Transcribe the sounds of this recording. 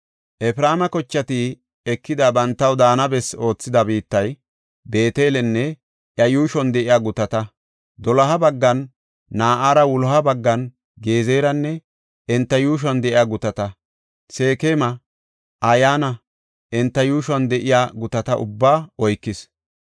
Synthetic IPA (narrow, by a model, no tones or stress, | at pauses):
ʔɛfɪɾaːmɐkɔt͡ʃːɐt̪i | ɛkːɪd̪abɐnt̪ːɐwd̪aːnɐbɛso̞ːt͡sːɪd̪ɐbiːt̪ːɐj | be̞ːt̪eːlɛnːɛ | ʔjɐjuːʃɔnd̪ɛʔɪjaːɡʊt̪ɐt̪ɐ | d̪ɔlɐɦɐbɐɡːɐnː | aːʔaːɾɐwʊlɔhɐbɐɡːɐn | ɡeːze̞ːɾɐnːɛ | ɛnt̪ːɐjuːʃ̬ɔnd̪ɛʔɪjaːɡʊt̪ɐt̪ɐ | se̞ːkeːmɐ | ʔɐjaːnɐ | ʔɛnt̪ːɐjuːʃɔnd̪ɛʔɪjaːɡʊt̪ɐt̪ɐʔʊ̰bːaːɔjkːɪs